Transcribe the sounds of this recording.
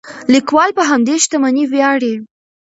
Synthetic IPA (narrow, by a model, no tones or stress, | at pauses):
likwɑlpəɦamd̪eʃt̪amaniwjɑɽe